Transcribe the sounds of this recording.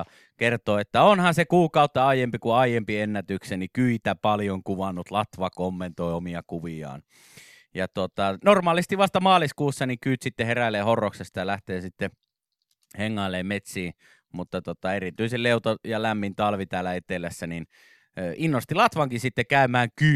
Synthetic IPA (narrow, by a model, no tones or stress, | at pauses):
kert̪oːet̪ːæonhɑnsekuːkɑut̪ːɑɑijempikuɑijempienːæt̪yksenikyit̪æpɑljoŋkuʋɑnːut̪lɑt̪ʋɑkomːent̪oiomiɑkuʋiɑ̰ːn | jɑt̪ot̪ɑnormɑːlist̪iʋʋɑst̪ɑmɑːliskuːsːɑnikyːt̪sit̪ːeheræileːhorːoksest̪ɑjɑlæht̪eːsit̪ːe | heŋːɑˑelːeːmmet̪siː | mut̪ːɑt̪ot̪ɑerit̪yiselleut̪ojɑlæmːint̪ɑlʋit̪æːlːˑæet̪elæsːænin | inːost̪ilɑt̪ʋɑŋkisit̪ːekæˑymæːŋky